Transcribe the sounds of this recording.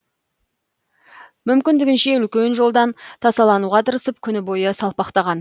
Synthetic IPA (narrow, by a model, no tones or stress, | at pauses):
mʏmkʲɪnd̪ɪɡʲɪnʃe̞ʏlkʲe̞nʒo̞lˠd̪ɑnt̪ʰɑsɑlˠɑnuʁɑt̪ʰəɾəsəp̚kʲʰʏnɪbo̞jəsɑlˠpɑqt̪ɑʁɑn